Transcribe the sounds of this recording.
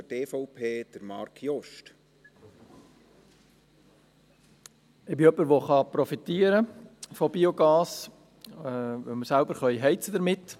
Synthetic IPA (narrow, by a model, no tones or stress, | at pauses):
teːfɔʊpʰeːd̪̥əɾmɑ̰ɾkʰjɔʃt | ɪbɪœpːəɾʋoχɑpɾɔfit̪iːəɾəfɔbioɡɑːs | ʋœməɾsælbəɾχœʏɦɛɪt͡sədəɾmɪt̪ː